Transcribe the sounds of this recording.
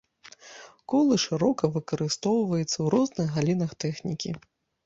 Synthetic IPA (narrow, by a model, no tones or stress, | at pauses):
kɔlˠɨʂɨɾɔkɐvɨkɐɾɨst̪ɔwvɐjut̪sːɐwɾɔznɨɣɣalʲinɐxt̪ɛxnʲikʲi